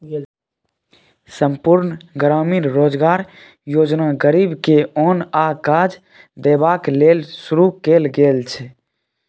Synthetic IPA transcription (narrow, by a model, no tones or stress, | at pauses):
səmpuɾnɡɾaːminɾoːd͡ʒɡaːɾ | joːd͡ʒnaɡəɾibkeoːnakaːd͡ʒ | d̪eːbaːkleːlsʊɾukeːlɡeːlt͡ʃʰɛ